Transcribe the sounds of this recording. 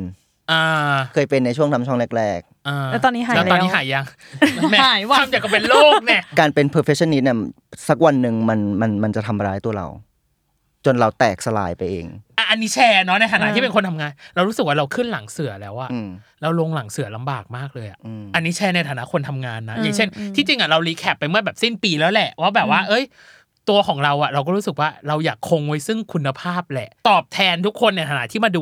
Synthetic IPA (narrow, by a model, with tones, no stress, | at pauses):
ʔaː˧kʰɤː˧jpe˧nːa˧jt͡ɕʰu˥˩əŋt̪ʰa˧mt͡ɕʰɔ˥˩ŋle˦˥k̚ɾɛː˥˩k̚ʔaː˧ɛː˦˥t̪ɔː˧niː˦˥ɦaː˨˩ɛ˦ɔː˧˦nːi˦˥ɦaː˩˦jːa˧ŋ | mɛ˦aː˨˩˦jwa˧˥˧mja˨˩kɔ˥˩pe˧nloː˥˩k̚nɛ˧˥˩kaː˧npe˧npʰɤː˧˩fʰe˦˥t͡ɕʰɔ˧˥nːi˦˥t̪̚ni˥˩ɐ | sa˦˥k̚wa˧nːɯ˨˩ŋma˧nma˧nma˧nt͡ɕa˨˩t̪ʰa˧mɾaː˦jt̪u˧ɐɾa̰˧w | t͡ɕo˧nɾa˧wt̪ɛː˨˩k̚sa˧la̰ː˧jpa˧jʔḛː˧ŋʔa˧˩ʔa˧nːiː˦˥t͡ɕʰɛː˧nɔ˦˥na˧jt̪ʰa˨na˦˥t̪ʰiː˥˩e˧nkʰo˧nt̪ʰa˧mŋaː˧nɾa˧wɾu˦˥sɯ˨˩k̚waː˥ɾa˧wkʰɯ˥˩nla˩˦ŋsɯ˨˩˦lɛː˦˥wʔa˨˩ʔɾaː˧˥wlo˧ŋla˨˩˦ŋsɯ˨˩˦ɐla˧mbaː˨˩k̚maː˥˩k̚lɤː˧jʔa̰˨˩ʔʔa˧nːiː˦˥t͡ɕʰɛː˧˥na˧jt̪ʰaː˨˩˦na˦˥kʰo˧nt̪ʰa˧mŋaː˧nːa˦jaː˨˩ŋt͡ɕʰe˥˩nt̪ʰiː˥˩t͡ɕi˧ŋʔa˨˩ɾa˧wliː˦˥kʰɛ˨˩pːa˧jmɯ˥˩ɐbɛː˨˩p̚si˥˩npiː˧lɛː˦˥wlɛ˨˩ʔwaː˥˩bɛː˨˩p̚waː˥˩ʔɤ˦˥˩j | t̪u˧ɐkʰɔː˩˦ŋɾa˧wʔa˨˩ɾa˧wk̬ɔː˥˩ɾuː˦˥sɯ˨˩k̚waː˥˩ɾa˧wjaː˨˩kʰːo˧ŋwa˦˥˩jsɯ˥˩ŋkʰu˧nːa˧pʰaː˥˩p̚lɛ˨˩t̪ɔː˨˩p̚t̪ʰɛː˧nt̪ʰu˦˥kʰːo˧nːa˧˩jt̪ʰaː˨˦na˦˥t̪ʰiː˥˩maː˧duː˧